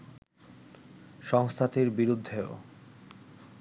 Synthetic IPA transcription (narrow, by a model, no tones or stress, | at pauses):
ʃɔŋst̪ʰat̪eɾbiɾud̪ʱːeo̰